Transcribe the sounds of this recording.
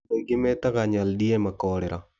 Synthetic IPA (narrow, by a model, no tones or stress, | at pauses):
eɡɪmɛtakaɲaldiemakɔɾɪɾa̰